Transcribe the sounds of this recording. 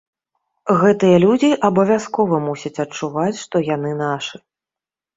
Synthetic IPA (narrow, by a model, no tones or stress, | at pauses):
ɣɛt̪ɨjɐlʲud͡zʲiʔɐbɐvʲaskɔvɐmusʲɐt͡sʲɐt͡ʂuvat͡sʲʂt̪ɔjanɨnaʂɨ